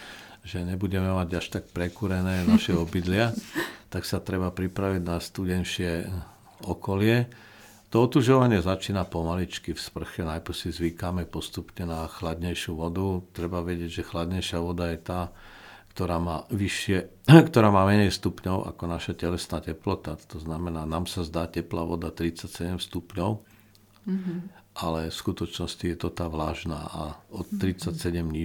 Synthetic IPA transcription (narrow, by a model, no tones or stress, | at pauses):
ʒɛɲɛbuɟɛmɛmaɟaʃt̪ak̚pɾɛkuɾɛnɛːnaʃɛɔbid̪lɪat̪aksat̪ɾɛbapɾipɾaʋiɟnast̪uɟɛnʃɪɛ | ɔkɔlɪɛ | t̪ɔɔt̪uʒɔʋaɲɪɛzat͡ʃiːnapɔmalit͡ʃkifspr̩xɛnajpr̩sizʋikamɛpɔst̪upɲɛnaxlad̪ɲɛjʃjuʋɔd̪ut̪ɾɛbaʋɛɟɪɛɟʒɛxlad̪ɲɛjʃɪaʋɔd̪ajɛt̪aː | kt̪ɔɾaːmaːʋiʃɪɛkt̪ɔɾaːmaːmɛɲɛjst̪upɲɔʊʔa̰kɔnaʃacɛlɛsnaːcɛplɔt̪at̪ɔznamɛnaːnaːmsazd̪aːcɛpla̰ʋɔd̪at̪ɾit͡sacsɛɟɛmst̪upɲɔʊ | ʔalɛfskut̪ɔt͡ʃnɔscijɛt̪ɔt̪aːʋlaːʒna̰ːʔaɔɾit͡sacsɛɟɛmɲi